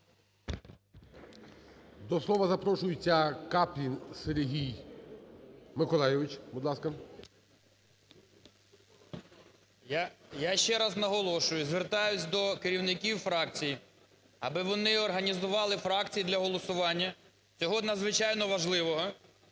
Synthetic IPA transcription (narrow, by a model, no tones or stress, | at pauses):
d̪ɔslˠɔʋɐzɐpɾɔʃʊjɪt͡sʲːɐkapʲlʲinseɾʲɦʲij | mɪkɔlˠɑjɛʋɪt͡ʃbud̪lˠɑskɐ | jaʃt͡ʃɛɾɑznɐɦɔlˠɔʃʊjʊzʋert̪ɑjʊt͡sʲd̪ɔkeɾʲiwnɪkʲiwfɾɑk̚t͡sʲiji | ɐbɪʋɔnɪɔrɦɐnʲizʊʋɑlˠɪfɾɑkt͡sʲijid̪lʲɐɦɔlˠɔsʊʋɑnʲːɐ | t͡sʲɔɦɔd̪nɐzʋɪt͡ʃɑjnɔʋɐʒlˠɪʋɔɦɔ